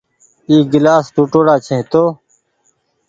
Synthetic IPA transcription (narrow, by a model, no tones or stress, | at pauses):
iːɡɪlaːsʈuːʈoːɽaːt͡ɕʰẽɦt̪oː